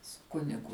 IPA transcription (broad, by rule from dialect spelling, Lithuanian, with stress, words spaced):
sʊ ˈkʊnʲɪɡʊ